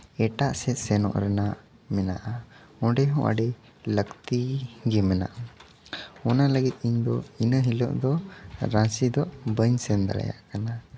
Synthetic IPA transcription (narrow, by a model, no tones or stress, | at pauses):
ɛʈaʔsɛt̪̚sɛnɔ̰ʔɾɛna | mɛna̰ʔa | ɔ̃ɖɛɦɔ̃ʔə̰ɖɛ | ləkt̪iɡɛmɛna̰ʔa | ɔnaləɡit̪̚ˀiɲd̪ɔinəɦilɔʔd̪ɔɾãsid̪ɔʔbəɲsɛnd̪a̰lɛ̰ja̰ʔkana